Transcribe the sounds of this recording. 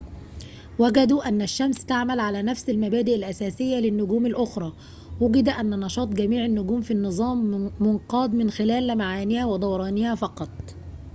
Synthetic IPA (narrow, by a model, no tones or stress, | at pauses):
wæɡæd̪uʔænːæʃːæmst̪aʕmælʕalæːnæfsɪlmæbæːd̪ɪʔɪlʔæsæːsɪjːælɪnːʊɡuːmɪlʔʊxɾˤɑː | wʊɡɪd̪æʔænːnɑʃɑːt̪ˤɡæmiːʕɪnːʊɡuːmfinːɨzˤɑːmːʊnqɑːd̪mɪnxɪlæːlːmaʕaːnɪhæwɪd̪ˤɑwɑɾˤɑːnɪhæfɑqɑt̪ˤ